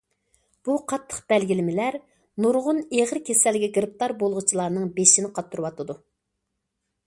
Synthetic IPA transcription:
b̥uqʰɑt̪ʰːə̥χqb̥ɛlɡʲilɪmɪlæɾ | nuɾʁʊneʁɾkʲʰesɛlːɪɡʲɛɡɾɨp̚t̪ɑɾbolˠʁʊt͡ʃʰilˠɑɾnɨŋbeʃinɪqʰɑt̪ʰːuɾɨwɑt̪ʰɨd̪u

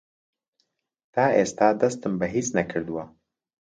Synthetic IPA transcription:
t̪aːʔeːst̪aːd̪ɐst̪ɨmbɐɦiːt͡snɐkʰɨɾd̪uwɐ

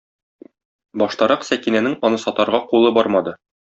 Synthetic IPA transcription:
bɒʃt̪ɑɾɑqsækinænɘŋɒnɤsɒt̪ɑɾʁɑqulˠɤbɒɾmɑd̪ɤ

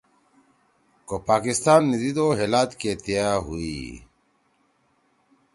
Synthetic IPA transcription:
kopaːkist̪aːnːid̪id̪oːɦeːlaːt̪ket̪ijaːɦuḭː

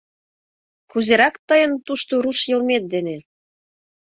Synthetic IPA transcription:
kuzeɾɑkt̪əjə̆nt̪uʃt̪oɾuʃjɤ̆lmet̪̚d̪ene

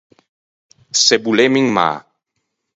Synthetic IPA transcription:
sebulemiŋma̰

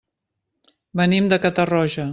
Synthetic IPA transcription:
bənimd̪əkət̪ərɔʒə

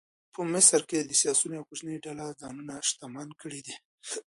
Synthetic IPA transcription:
pʰəmɪsɾked̪əsijɑsunawkut͡ʃnəjɖalazɑnunaʃt̪amankəɽid̪i

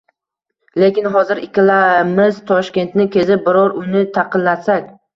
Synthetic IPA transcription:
le̞kʲɪnɦɒzɪɾɪkʲʰɪlamɪz̥t̪ʰɒʃkʲe̞nt̪nɪkʲʰe̞zɪp̚bɪɾɒɾʊnɪt̪ʰɑqʰɨnlasakʲ

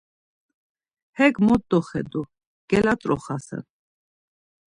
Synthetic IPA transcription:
hɛɡmɔt̪ːɔχɛd̪u | ɡ̥ɛlat͡s̪ʼɾɔχasɛ̰n

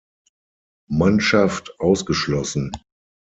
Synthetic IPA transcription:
manʃaftʔaʊsɡ̥əʃlɔsn̩

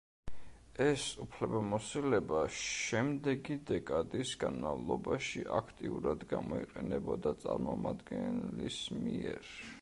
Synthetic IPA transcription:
ɛsupʰlɛbamɔsilɛbaʃɛmd̪ɛɡid̪ɛkʼad̪isɡanmalˠɔbaʃiʔakʰt̪ʼiuɾad̪ɡamɔiqʼɛnɛbɔd̪at̪sʼaɾmɔmad̪ɡɛnlismiɛɾ

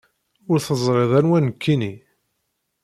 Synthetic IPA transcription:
ʊɾθəzˤɾˤeðˤænwænəkʰːini

